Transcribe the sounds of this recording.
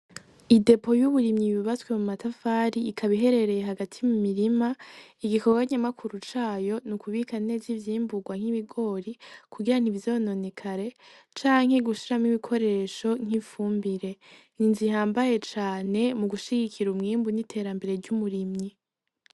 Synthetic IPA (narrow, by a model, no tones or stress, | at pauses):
ide̞pʰo̞juβuɾimɲiβiβat͡swe̞mumatafaːɾiːkʰaβiɦe̞ɾe̞ɾe̞jeɦaɡatʰimumiɾimaiɡikʰo̞ɡaɲamakʰuɾut͡ʃaːjo̞nukʰuβikane̞zivjiːmbuɡwaŋ̥hiβiɡo̞ːɾikuɡiɾan̥ivvzo̞no̞nikʰaɾe̞ | t͡ʃaːŋ̥he̞ɡuʃiɾamŋiβikʰo̞ɾe̞ːʃo̞ŋ̥ifuːmbiɾe̞ | ninzihaːmbaje̞t͡ʃaːne̞muɡuʃiɡikʰiɾumŋiːmbunitʰe̞ːɾambe̞ɾe̞ɾɟumuɾimɲi